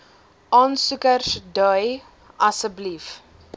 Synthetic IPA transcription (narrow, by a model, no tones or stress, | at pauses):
ʔɑːnsukərsdœj | ɐsəblif